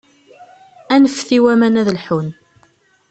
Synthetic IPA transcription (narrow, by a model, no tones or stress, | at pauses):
ænəfθiwæmænæðəlħun